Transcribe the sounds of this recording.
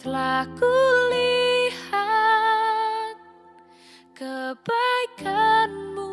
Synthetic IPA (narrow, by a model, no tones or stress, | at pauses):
t̪əlakuliha | t̪̚ | kəb̥ajkʰanmu